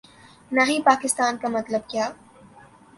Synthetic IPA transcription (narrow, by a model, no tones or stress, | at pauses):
naɦĩpaːkɪst̪aːnkamɐt̪ləb̚kjaː